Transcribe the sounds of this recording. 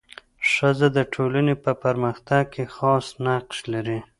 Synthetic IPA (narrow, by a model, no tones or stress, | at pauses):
ʂəzad̪əʈʰolanepəpaɾməxt̪aɡ̚kʰexɑsnaqʃlaɾi